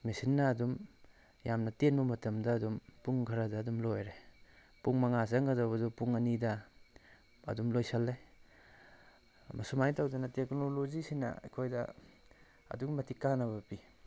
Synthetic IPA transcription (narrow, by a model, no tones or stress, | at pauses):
mesinːɐːdum | jamnɐtenbɐmɐtɐmdɐːdumpuŋkʰɐɾɐdɐːdumlojɾe | puŋmɐŋazɐŋɡɐzawbɐdɔpuŋɐnidɐ | ɐ̰dumlojsɐlːe | mɐsumajtawdɐnɐteknolozisinɐ̰ɐ̰kʰojdɐ̰ | ɐ̰duŋmɐtikanɐβɐpi